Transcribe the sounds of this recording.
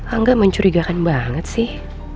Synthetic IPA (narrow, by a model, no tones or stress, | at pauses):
aŋɡaʔməɲt͡ʃuɾiɡakanbaŋət̪̚sɪh